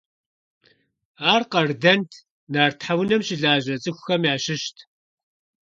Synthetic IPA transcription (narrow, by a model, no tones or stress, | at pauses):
aːrqɐrdɐntʰ | naːrtħawnɐmʃɪɮaːʒɐt͡sʼɨxʷʊxɐmjaːʃɪʃtʰ